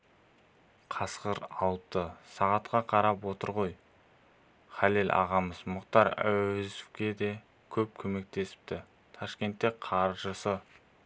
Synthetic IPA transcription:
qʰɑsqəɾɑlˠpt̪əsɑʁɑt̪qɑqʰɑɾɑpwo̞t̪əɾʁo̞j | χɑlelʲʔɑ̰ʁɑməzmʊqt̪ɑɾæ̰wezukʲe̞d̪e̞ | kʲʰɵp̚kʲʰɵme̞k̚t̪e̞sɪ̥p̚t̪ɪ | t̪ʰɑʃkʲe̞nt̪ːe̞qʰɑɾʒəsə

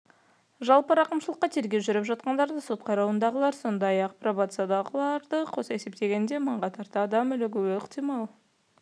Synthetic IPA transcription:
ʒɑlˠpəɾɑqəmʃəlˠəqːɑt̪ʰe̞ɾɡʲe̞wʒʏɾɪpʒɑt̪̚qɑnd̪ɑɾd̪əso̞t̪qʰɑjɾɑwənd̪ɑʁəlˠɑɾso̞nd̪ɑjɑqprobat̪sad̪ɑʁəlˠɑɾd̪əqʰo̞se̞se̞p̚t̪e̞ɡʲe̞nd̪e̞məɴʁɑt̪ʰɑɾt̪əɑd̪ɑmʏlɪɡʲʏwɪqt̪ijmɑlˠ

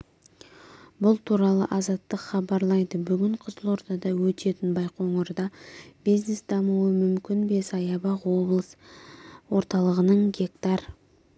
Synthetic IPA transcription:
bʊlˠt̪ʰuɾɑlˠə̰ʔɑzɑt̪ːəqχɑbɑɾlˠɑjd̪əbʏɡʲɪɴqʰəzəlˠo̞ɾt̪ɑd̪ɑwɵt̪e̞t̪ɪnbɑjqoɴəɾd̪ɑb̥ijznesd̪̥ɑmuwəmʏmkʲɪnbe̞sɑjɑbɑqwo̞blˠəs | wo̞ɾt̪ɑlˠəʁənəɴɡʲe̞kt̪ɑr

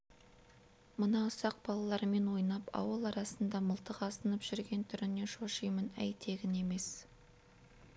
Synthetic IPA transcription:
mənɑʊsɑq̚b̥ɑlˠɑlˠɑɾme̞nwo̞jnɑpɑ̰wəlˠɑɾɑsənd̪ɑməlˠt̪əqɑsənəpʒ̥ʏɾɡʲe̞nt̪ʰʏɾɪne̞ʃoʃəjmənæ̰jt̪ʰe̞ɡʲɪne̞me̞s

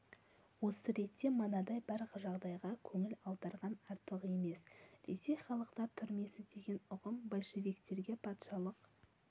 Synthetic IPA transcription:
wo̞səɾe̞t̪ːe̞mənɑd̪ɑjbæɾʁəʒɑʁd̪ɑjʁɑkʲʰɵŋɪlɑlˠd̪ɑɾʁɑnɑɾt̪əʁe̞me̞sd̪̥e̞se̞χɑlˠəqt̪ɑɾt̪ʰʏɾme̞sɪd̪e̞ɡʲe̞nʊʁəmbolʲʃevikt̪e̞ɾɡʲe̞pʰɑt̪ʃɑlˠəq

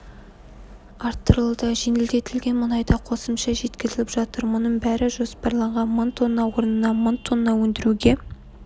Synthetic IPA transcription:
ɑɾt̪ːəɾəlˠd̪ɑʒenɪld̪e̞t̪ɪlɡʲe̞nmʊnɑjd̪ɑqʰo̞səmʃɑʒe̞t̪kʲɪzɪlʲɪpʒ̥ɑt̪əɾmʊnəɴbæɾɪʒo̞spɑɾlˠɑɴʁɑnmənt̪ʰonːɑwo̞ɾənənɑmont̪ʰːonːɑwɵnd̪ɪɾuɡʲe̞

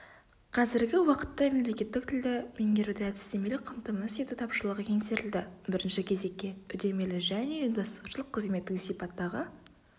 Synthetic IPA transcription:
qʰɑzɪɾɡʲɪwɑqə̥t̪ːɑme̞mle̞kʲe̞t̪ːɪk̚t̪ʰɪld̪ɪme̞ŋɡʲe̞ɾud̪eæd̪ɪ̥st̪e̞me̞lɪk̚qʰəmt̪əmnəsijt̪ut̪ʰɑpʃəlˠəʁəkʲʰe̞ŋseɾɪld̪ɪbɪɾɪnʃɪkʲʰe̞ze̞kʲːe̞ʏd̪e̞me̞lɪʒæne̞ind̪ɑst̪uʃəlˠəqʰːəzme̞t̪ːɪksijpɑt̪ːɑʁə

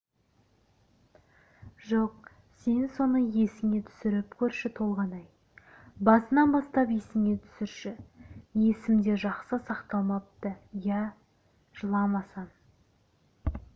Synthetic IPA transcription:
ʒo̞q̚ | se̞nso̞nəɴje̞sɪŋe̞t̪ʰʏ̥sɪɾɪpkʲʰɵɾʃɪt̪ʰo̞lˠʁɑnɑj | bɑsənɑnbɑst̪ɑpje̞sɪŋʲe̞t̪ʰʏ̥sɪɾʃɪje̞sɪmd̪e̞ʒɑqsəsɑqt̪ɑlˠmɑp̚t̪əjæ | ʒ̥əlˠɑmɑsɑɴ

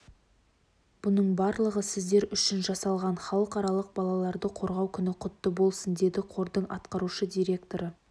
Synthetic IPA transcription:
b̥ʊnəɴbɑɾlˠəʁəsɪzd̪e̞ɾʏʃɪnʒɑsɑlˠʁɑnχɑlˠəqɑɾɑlˠəq̚bɑlˠɑlˠɑɾd̪əqʰo̞ɾʁɑwkʲʰʏnɪqʰʊt̪ːəbo̞lˠsənd̪e̞d̪ɪqʰo̞ɾd̪əɴʔɑt̪qɑɾuʃəd̪ʲijɾʲe̞k̚t̪o̞ɾə

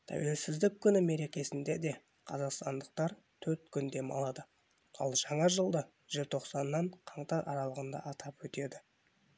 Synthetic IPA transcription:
t̪ʰæ̰we̞lsɪzd̪ɪkʲʰːʏnɪme̞ɾe̞kʲe̞sɪnd̪e̞d̪e̞ | qʰɑzɑqst̪ɑnd̪əq̚t̪ɑɾ | t̪ʰɵɾt̪kʲʰʏnd̪e̞mɑ̰lˠɑd̪ə | ɑ̰lˠʒɑɴɑʒəlˠd̪ə | ʒ̥ɪlt̪ʰo̞qsɑnːɑɴqʰɑɴt̪ɑɾʔɑ̰ɾɑlˠəʁənd̪ɑ̰ʔɑt̪ʰɑpwɵt̪e̞d̪ɪ

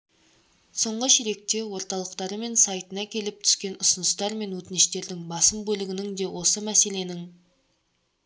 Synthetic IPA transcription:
so̞ɴʁəʃeɾe̞k̚t̪e̞wo̞ɾt̪ɑlˠəqt̪ɑɾəme̞nsɑjt̪ənɑkʲʰe̞lɪp̚t̪ʰʏ̥skʲe̞nʊsʊnəst̪ɑɾme̞nwɵt̪ɪnɪʃt̪e̞ɾd̪ɪŋbɑsəmbɵlɪɡʲɪnɪŋd̪e̞wʔo̞səmæse̞le̞nɪŋ

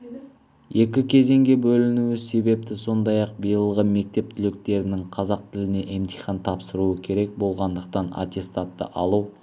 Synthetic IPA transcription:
e̞kʲɪkʲʰe̞ze̞ŋɡʲe̞bɵlɪnuwɪse̞be̞p̚t̪ɪso̞nd̪ɑjɑq̚bijəlˠʁəme̞k̚t̪e̞p̚t̪ʰɪlɪk̚t̪e̞ɾɪnɪŋqʰɑzɑq̚t̪ʰɪlɪne̞ʔemt̪ʰijχɑnt̪ʰɑpsəɾuəkʲʰe̞ɾe̞k̚bo̞lˠʁɑnd̪əq̚t̪ɑna̰t̪ʲe̞st̪at̪ːə̰ʔɑlˠuw

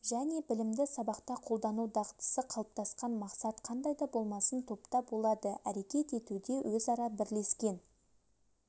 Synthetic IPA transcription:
ʒæne̞bɪlɪmd̪ɪsɑbɑqt̪ɑqʰo̞lˠd̪ɑnuwd̪ɑʁət̪ə̥səqʰɑlˠəp̚t̪ʰɑsqɑnmɑqsɑt̪qʰɑnd̪ɑjd̪ɑbo̞lˠmɑsənt̪ʰo̞pt̪ɑbo̞lˠɑd̪əæɾe̞kʲe̞t̪e̞t̪ud̪e̞wʔɵzɑɾɑbɪɾle̞skʲe̞n

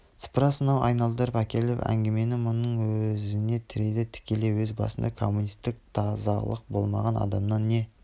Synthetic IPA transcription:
sə̥pɾɑsənɑwɑjnɑlˠd̪əɾəpækʲe̞lɪpæ̰ŋɡʲe̞me̞nɪmʊnːəɴwɵzɪne̞t̪ʰɪɾed̪ɪt̪ʰɪ̥kʲe̞le̞wɵzbɑ̰sənd̪ɑkʰo̞mːunijst̪ɪk̚t̪ʰɑzɑ̰lˠə̰q̚bo̞lˠmɑ̰ʁɑnɑ̰d̪ɑmnɑnːe̞

